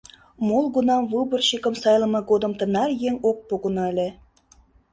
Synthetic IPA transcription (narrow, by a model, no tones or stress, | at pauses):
molˠɣunɑmvɯbə̆rɕikə̆msɑjlə̆mɑɡod̪əmt̪ə̆nɑrjeŋok̚poɣə̆nɑelʲe